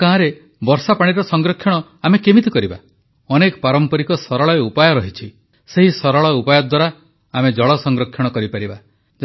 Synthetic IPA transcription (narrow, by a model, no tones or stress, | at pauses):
kaɦãɾe | bɔɾsapaɽ̃iɾɔsɔŋɡɾɔkʰjɔɽ̃ɔ | amekemit̪ikɔɾiba̰ | ɔnekɔ̥paɾɔmpɔɾikɔsɔɾɔɭɔeupajɔɾɔɦit͡ʃʰi | seɦisɔɾɔɭɔupajɔd̪waɾa | amed͡ʒɔɭɔsɔŋɡɾɔkʰjɔɽ̃ɔkɔɾipaɾiba | d͡ʒ